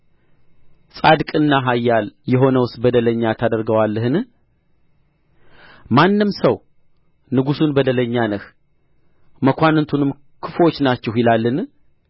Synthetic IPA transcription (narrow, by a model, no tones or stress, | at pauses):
sʼad̪kʼɨnːaɦajːaljɛɦo̞nəwʊst̪bəd̪ələɲːat̪ʰad̪əɾɡəwalːəhɨn | manːɨmsəw | nɨɡusunbəd̪ələɲːanəh | məkʷanɨnt̪ʰunɨm | kʰɨfwo̞t͡ʃːnat͡ʃːɛhjɪlalːɨn